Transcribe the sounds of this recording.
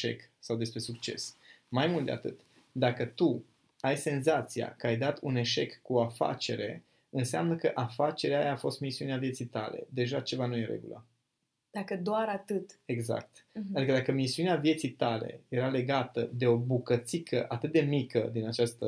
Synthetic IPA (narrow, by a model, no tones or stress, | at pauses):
ʃe̞̰ksawd̪e̞spɾe̞sukt͡ʃe̞̰smajmult̪̚d̪e̞a̰t̪ɨt̪ | d̪akət̪u | ajse̞nzat̪sia̰kəajd̪at̪une̞ʃe̞kːuoafa̰t͡ʃe̞̰ɾe̞̰ | ɨnsea̰mnəkəʔafat͡ʃe̞ɾeajaːfo̞st̪misiuneavje̞t̪sijt̪a̰le̞̰d̪e̞ʒat͡ʃe̞vanujeɾḛɡṵlə̰ | d̪̥akəd̪oaɾat̪ɨt̪e̞ɡza̰k̚t̪ad̪ikəd̪akəmisiuneavje̞t̪sijt̪ale̞̰je̞ɾale̞ɡat̪əd̪e̞o̞bukət̪sikʰəʔat̪ɨt̪̚d̪e̞mikəd̪inat͡ʃast̪ə